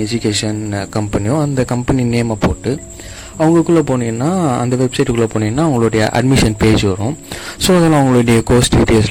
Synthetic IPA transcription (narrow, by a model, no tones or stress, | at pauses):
ɛd͡ʒʊkeːʂɐnkɐmpɐnijõɐnd̪ɐkɐmpɐnineːmapo̰ːʈːɯ | ɐʋɐŋɡɐkːɯɭlːɐpoːnɪŋɐnːaːɐ̰nd̪ɐʋɛbsɐɪʈkːɯɭːɐpoːɳɪŋɡɐnːaːʋɐŋɡɐɭʊɽɐjɐ̰ʔɐ̰ɖ̚mɪʂɐnpeːd͡ʒɯʋɐɾʊ̃soːɐðɐlãːɐʋɐŋɡɐɭʊɽɐjɐkoːsʈɪʈeːls